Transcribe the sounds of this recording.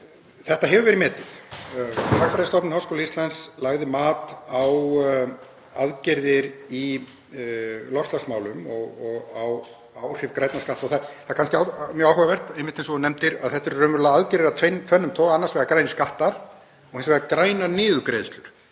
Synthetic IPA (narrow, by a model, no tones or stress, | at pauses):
θɛht̪aɦɛvʏvɛɾɪmɛːt̪ɪθ | fʰawfɾajðast̪ɔpnɪhawskowlaist̪lajnslaɣðɪmaːt̪aw | aðcɛɾðɪɾi | lɔr̥st̪lasmaːwlʏmɔɣɔɣaw | awr̥ɪvkɾajt̪naskaht̪aɔɣθaθakanscɪamjœɣawhœvavɛr̥t̪ɛjmːɪht̪ɛnsɔnɛmt̪ɪɾaðθɛht̪ɪɾrœːmʏɾlaaðcɛɾðɪɾat̪ʰent̪ʰvœnːʏmt̪ʰɔːɣaanːasvɛɣakɾaːjnɪskaht̪aɾ̥ | ɔhɛnsvɛɣakɾaːjnanɪːðʏkɾeːjðʏst̪lʏɾ̥